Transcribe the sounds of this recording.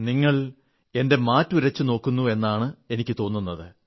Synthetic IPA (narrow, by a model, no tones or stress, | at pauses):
niŋːɐɭ | e̞nde̞maːtːuɾɐt͡ɕːɨno̞ːkːunːue̞nːaːɳɨe̞nikʲːɨt̪o̞ːnːunːɐðɨ